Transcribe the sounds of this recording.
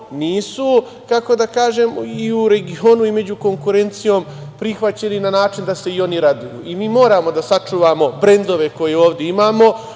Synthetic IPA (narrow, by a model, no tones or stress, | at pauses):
niːsu | kako̞d̪akaːʒe̞ːmiuɾe̞ɡio̞nuime̞d͡ʑuko̞ŋkuɾe̞nt̪sijo̞ːm | pɾixʋat͡ɕe̞ninanaːt͡ʃind̪ase̞io̞niɾad̪ujuːimiːmo̞ːɾaːmo̞d̪asat͡ʂuːʋaːmo̞bɾe̞nd̪o̞ʋe̞ko̞jeo̞ːʋd̪je̞imaːmo̞